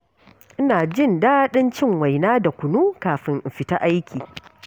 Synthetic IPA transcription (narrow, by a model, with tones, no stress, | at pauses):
ʔɪ˦naː˨d͡ʒɪ˦˨ndaː˦ɗɪ˦nt͡ʃɪ˦˨ŋwa˨jnaː˦da˨kʷʊ˨nuː˦kaː˨ɸɪ˦ŋm̩˨ɸɪ˨ta˦ʔa˦jkʲiː˨